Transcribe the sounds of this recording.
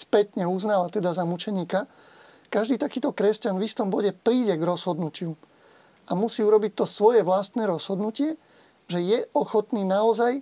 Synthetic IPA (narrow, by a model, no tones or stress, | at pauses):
spɛt̪ɲɛuznaːʋat̪ɛd̪azamut͡ʃɛɲiːka | kaʒd̪iːt̪akiːt̪ɔkɾɛscanvist̪ɔmbɔɟɛpɾiːɟɛɡɾɔzɦɔd̪nucɪu | amusiːuɾɔbic̚t̪ɔsʋɔjɛʋlast̪nɛːɾɔz̥ɦɔd̪nucɪɛ | ʒɛjɛʔɔxɔt̪niːnaɔzaj